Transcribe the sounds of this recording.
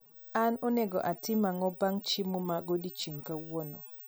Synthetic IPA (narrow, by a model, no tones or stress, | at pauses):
anɔnɛɡɔ̰ʔatɪmaŋɔbaŋt͡ʃɪmomaɡodit͡ʃiŋkawɔnɔ